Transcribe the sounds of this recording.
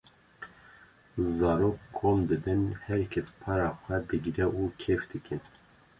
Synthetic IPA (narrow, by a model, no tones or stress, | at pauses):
zɑːɾoːkːʰoːmd̪ɨbɨnhɛɾkʲʰɛspʰɑːɾɑːxʷɛd̪ɨɡiɾɛʔuːkʰefd̪ɨkɨn